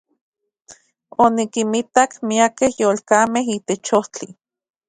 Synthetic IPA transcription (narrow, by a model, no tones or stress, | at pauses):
onikimit̪akmiakehjoːlkaːmeɦiːt̪et͡ʃoht͡ɬi